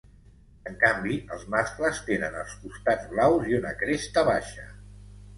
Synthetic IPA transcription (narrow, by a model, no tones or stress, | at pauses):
əŋkambiəlˠzmaskləst̪enənəlˠskust̪add͡zβlawziunəkɾest̪əβaʃə